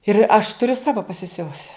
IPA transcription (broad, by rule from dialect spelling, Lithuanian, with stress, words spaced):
ɪr ɐʃ tʊˈrʲʊ ˈsɑːʋoː pɐsʲɪˈsʲʊʋʊsʲɪ